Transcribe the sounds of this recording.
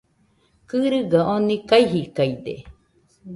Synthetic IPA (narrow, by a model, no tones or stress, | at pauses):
kɨɾɨɡaʔõnikaiɦikaid̪ḛ